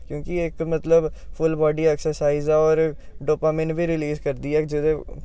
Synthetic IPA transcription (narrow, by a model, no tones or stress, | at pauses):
kjõːkiɪkmət̪ləbpʰʊlbɔːɖiːɛːksəɾsaːizaɔːɾ | ɖoːpaːmɪ̃ɳbiːɾɪliːzkəɾd̪iːɛːd͡ʒɪd̪ẽː